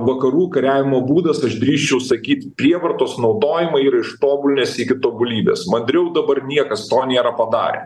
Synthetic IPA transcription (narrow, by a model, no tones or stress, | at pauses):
ʋɐkɐɾuːkɐɾʲæːʋʲɪmoːbuːd̪ɐsɐʃd̪ʲɾʲiːʃʲt͡ʃʲɛʊsɐkʲiːt̪pʲɾʲiɛʋɐɾt̪oːsnɒʊd̪oːjɪmɐiːɾɐɪʃt̪oːbʊlʲnʲeːsɪkʲɪt̪oːbʊlʲiːbʲḛːsmɐnʲd̪ʲɾʲɛʊd̪ɐbɐɾnʲiɛkɐst̪oːnʲeːɾɐpɐd̪ɑ̰ːɾʲḛ